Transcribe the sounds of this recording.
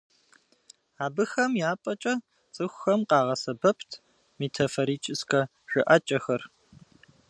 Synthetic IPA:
aːbɨxɐmjaːpʼɐt͡ʃʼɐ | t͡sʼɨxʷxɐmqɑːʁɐsɐbɐpʰtʰ | meːtʰɐfoɾiːt͡ʃʼɪskʰɐ | ʒɨʔɐt͡ʃʼɐxɐr

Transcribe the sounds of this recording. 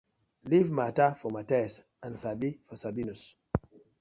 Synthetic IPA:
livmatafɔmatɛs | ãnsabifɔsabinus

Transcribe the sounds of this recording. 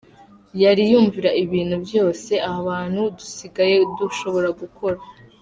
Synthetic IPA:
jaɾijuːɱviɾaʔiβiːn̥hubjo̞ːse̞ʔahaβaːn̥hudusiɡaje̞duʃo̞βo̞ɾaɡukʰo̞ɾa

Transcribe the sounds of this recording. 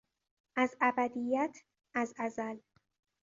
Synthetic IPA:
ʔæzʔæbæd̪ijːæt̪ʰ | ʔæzæzæl

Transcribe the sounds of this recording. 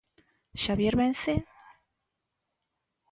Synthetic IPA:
ʃaβjeɾβenθe

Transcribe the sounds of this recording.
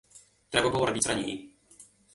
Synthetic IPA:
t̪ɾɛbabɘwɔɾɔbʲit̪sɾaɲḛjḭ

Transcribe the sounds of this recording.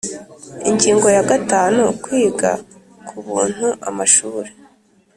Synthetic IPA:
iɲɟiːŋɡo̞jaɡataːnukwiːɡa̰ | kʰuβuːn̥huʔa̰maʃuːɾe

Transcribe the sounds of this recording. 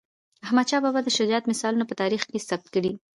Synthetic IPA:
ahmad̪t͡ʃɑbɑbad̪əʃʊdɑt̪mɪsɑlunapət̪ɑɾixkesab̚t̪̚kəɽi

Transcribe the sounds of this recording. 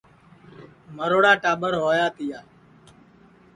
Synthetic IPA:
məɾoːɽaːʈaːɓəɾɦoːjaːt̪ɪjaː

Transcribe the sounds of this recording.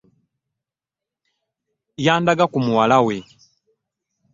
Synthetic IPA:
jaːndaɡakumuwalawɛ

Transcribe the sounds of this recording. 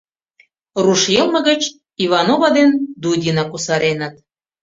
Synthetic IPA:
ruʃjɤlˠmə̆ɣə̆t͡ɕ | iβɑnovɑd̪end̪udʲinɑkusɑɾenə̆t̪̚

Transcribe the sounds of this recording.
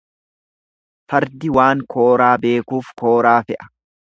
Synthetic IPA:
fɐɾd̪ɪwaːŋkʰo̞ːɾaːbe̞ːkuːfko̞ːɾaːfɛʔɐ̥

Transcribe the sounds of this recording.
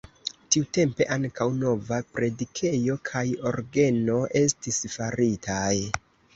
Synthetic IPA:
tiute̞mpe̞ʔaŋkawno̞vapɾe̞dikʰe̞jo̞kʰajo̞ɾɡe̞no̞ʔe̞stisfaɾitʰaj

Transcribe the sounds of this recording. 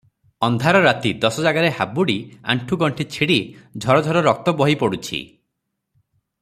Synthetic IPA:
ɔnd̪ʱaɾɔɾat̪id̪ɔsɔd͡ʒaɡaɾehabuɽia̰ɳʈʰuɡɔɳʈʰit͡ʃʰiɽid͡ʒʱɔɾɔd͡ʒʱɔɾɔɾɔk̚t̪ɔbɔɦipɔɽut͡ʃʰḭ

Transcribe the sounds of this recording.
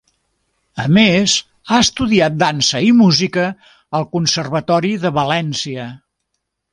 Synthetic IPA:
əmez | aəst̪uðiat̪̚d̪ansəimuzikəː | lˠkunsərβət̪ɔɾiðəβəlɛnsiə

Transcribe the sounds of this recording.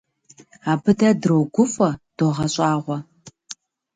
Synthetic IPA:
aːbɨdɐdrowɡʷʊfɐd̥oʁɐɕʼaːʁʷɔ

